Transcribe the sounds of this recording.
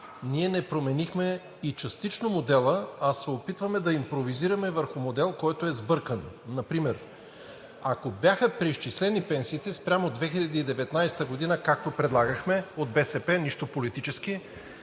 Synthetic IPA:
niɛnɛpɾomɛnixmɛ | it͡ʃɐst̪it͡ʃnomod̪ɛlˠəɐsɛopit̪vɐmɛd̪ɐimpɾoviziɾɐmɛvəɾxʊmod̪ɛlˠkɔjt̪oɛzbɤɾkənːɐpɾimɛɾ | akobjaxəpɾiʃt͡ʃislɛnipɛnsiːt̪ɛspɾʲamod̪vɛxilʲɐd̪iːd̪ɛvɛt̪najsɛ̥t̪əɡod̪inəkak̚t̪opɾɛd̪lˠaɡəxmɛod̪̚bɛsɛpɛniʃt̪opolit̪it͡ʃɛski

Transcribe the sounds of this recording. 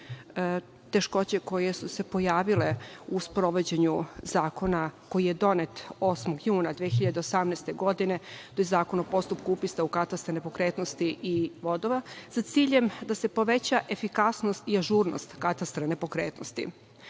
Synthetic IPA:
t̪e̞ʃko̞t͡ɕe̞ko̞je̞suse̞pojaːʋileuspɾo̞ʋo̞d͡ʑe̞ɲuzaːko̞nako̞jijed̪o̞net̪o̞smoɡjuːnad̪ʋiexiʎad̪eosamnest̪eɡo̞d̪ine̞t̪ojezaːko̞nopo̞st̪upkuupist̪aukat̪ast̪ɾanepo̞kɾeːt̪nost̪iʔiʋo̞d̪oʋasat̪siːʎe̞md̪ase̞po̞ʋe̞t͡ɕaʔe̞fikasno̞st̪iaʒuːɾno̰st̪kat̪ast̪ɾane̞po̞kɾeːt̪no̰st̪ḭ

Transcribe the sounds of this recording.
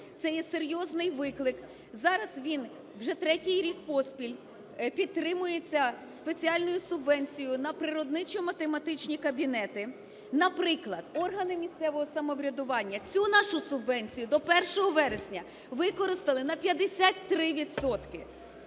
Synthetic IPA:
t̪sɛjɛseɾʲjɔznɪjʋɪklˠɪk | zɑɾɐzʋʲin | wʒɛt̪ɾɛtʲijɾʲikpɔspʲilʲ | pʲid̪̚t̪ːɾɪmʊjet͡sʲːɐ | spe̞t͡sʲiɑlʲnʊjʊsʊbʋɛnʲt͡sʲijʊnɐpɾɪɾɔd̪nɪt͡ʃɔmɐt̪emɐt̪ɪt͡ʃnʲikɐbʲinɛt̪ɪ | nɐpɾɪklˠɐd̪ɔrɦɐnɪmʲisʲt̪sɛʋɔɦɔsɐmɔʋɾʲɐd̪ʊʋɑnʲːɐt͡sʲunɑʃʊsʊbʋɛnʲt͡sʲijʊd̪ɔpɛrʃɔɦɔʋɛɾesʲnʲɐ | ʋɪkɔɾɪst̪ɐlˠɪnɐpʲjɐd̪esʲat̪ʲt̪ːɾɪʋʲid̪sɔt̪kɪ

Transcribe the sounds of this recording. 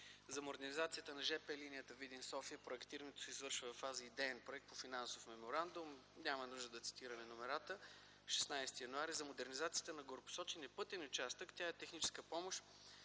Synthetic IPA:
zɐmoɾɡ̪ɐnizat̪sijət̪ənɐʒɛpɛlinijət̪əvid̪insɔfijəpɾoɛkt̪iɾɐnɛt̪o̥sɛzvɤɾʃvəvɐfːazəid̪ɛːnpɾoɛkt̪pofinansofmɛmoɾand̪umnʲamɐnuʒd̪əd̪ɐt̪si̥t̪iɾɐmɛnomɛɾat̪ə | ʃɛ̥snajst̪ijɐnuaɾizɐmod̪ɛɾnizat̪sijə̥t̪ənɐɡoɾopo̥sɔt͡ʃɛnɛpɤt̪ɛnʊt͡ʃast̪əkt̪ʲaɛt̪ɛxnit͡ʃɛ̥skəpɔmoʃ

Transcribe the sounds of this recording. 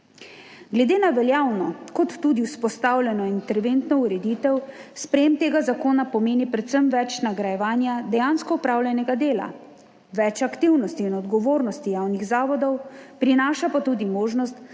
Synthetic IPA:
ɡlɛd̪eːnaʋɛljaːwnɔkɔt̪ːuːd̪iwspɔst̪aːwlʲjɛnɔint̪ɛɾʋeːnt̪nɔuɾɛd̪iːt̪ɛwspɾɛjeːmt̪eːɡazakoːnapɔmeːnipɾɛt̪səmʋɛt͡ʃnaɡɾajɛʋaːnjad̪ɛjaːnskɔɔpɾawlʲjɛnɛɡad̪eːla̰ | ʋɛt͡ʃakt̪iwnɔst̪iːnɔd̪ɡɔʋoːɾnɔst̪ijawniɣzaːʋɔd̪ɔwpɾinaːʃapat̪uːd̪imoːʒnɔst̪

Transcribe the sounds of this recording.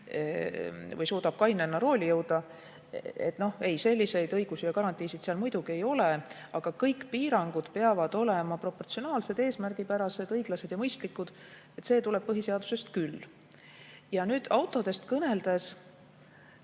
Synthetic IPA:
vɤjsuːd̪̥ɑb̥̚kɑjnenːɑɾo̞ːlʲijɤwd̪̥ɑ | ḛt̪ːˑno̞he̞jse̞lʲːise̞jd̪ɤjɡ̥usijɑkɑɾɑnt̪ːˑiːsid̪̥seɑlmujd̪̥uɡie̞jo̞le | ɑɡ̥ɑkɤjkpiːɾɑŋɡ̥ud̪̥pe̞ɑvɑd̪̥o̞lemɑpro̞pːort̪sio̞nɑːlse̞d̪e̞ːsmærɡ̥ipæɾɑse̞d̪ɤjɡ̥lɑse̞d̪̥jɑmɤjst̪likːˑud̪̥ | et̪ːse̞ːt̪ule̞b̥̚pɤɦise̞ɑd̪̥use̞st̪kylː | jɑnyːd̪̥ɑwt̪ˑo̞d̪e̞st̪kɤne̞ld̪̥e̞s

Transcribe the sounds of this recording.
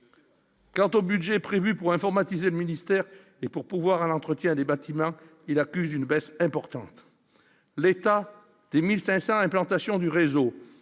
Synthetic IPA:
kɑ̃t̪obydʒepχevypuʁɛ̃fɔʁmat̪izeləminist̪ɛʁ | epuʁpuvwaʁɛnɑ̃t̪χət̪jɛ̃d̪ebat̪imɑ̃ | ilakʲyzynbɛsɛ̃pɔʁt̪ɑ̃t̪ | let̪a | d̪̥emilsɛ̃sɑ̃ɛ̃plɑ̃t̪asjɔ̃d̪yʁezo

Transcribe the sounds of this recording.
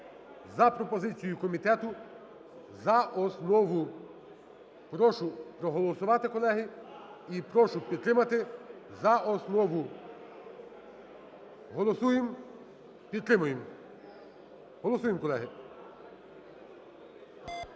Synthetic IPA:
zɐpɾɔpɔzɪt͡sʲijʊkɔmʲit̪ɛt̪ʊ | zɐʔɔsnɔʋʊ | pɾɔʃʊpɾɔɦɔlˠɔsʊʋɑt̪ɪkɔlˠɛɦɪipɾɔʃʊpʲid̪̚t̪ɾɪmɐt̪ɪzɐʔɔsnɔʋʊ | ɦɔlˠɔsujɪm | pʲid̪t̪ɾɪmʊjem | ɦɔlˠɔsujemkɔlˠɛɦɪ

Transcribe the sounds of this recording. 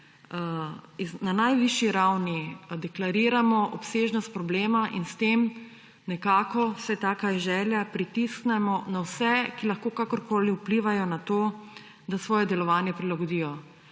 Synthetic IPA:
inanajʋiʃjiɾawnid̪ɛklaɾiːɾamɔʔɔpseːʒnɔst̪̚pɾɔbleːmaʔinst̪em | nɛkaːkɔsɛt̪aːkaiʒɛːljapɾit̪isknɛmɔnawsɛkilaxkoːkakɔɾkoːliupliːʋajɔnat̪oː | d̪asʋɔːjɛd̪ɛlɔʋaːnjɛpɾilaɡɔd̪iːjɔ

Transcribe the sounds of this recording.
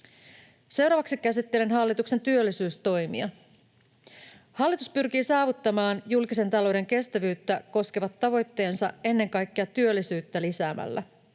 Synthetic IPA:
se̞wɾɑːʋɑksikæsit̪ːe̞lenɦɑlːit̪ukse̞nt̪yølːisyːst̪o̞jmḭɑ | hɑlːit̪uspyrkiːsɑːʋut̪ːɑmɑːnjulkise̞nt̪ɑlo̞wde̞ŋke̞st̪æʋyːt̪ːæko̞skeʋɑt̪ːɑʋo̞jt̪ːe̞ːnsɑe̞nːe̞ŋkɑjkːeɑt̪yølːisyːt̪ːælisæːmæ̰lːæ̰

